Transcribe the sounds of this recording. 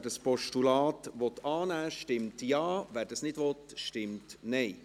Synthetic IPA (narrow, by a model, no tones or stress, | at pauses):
dəspɔʃtulɑːt̪ʋɔt̪ʰɑːnæːʃtɪmt̪jɑːʋæːɾd̥ɑsnɪdʋɔt̪ʃtɪmt̪nɛɪ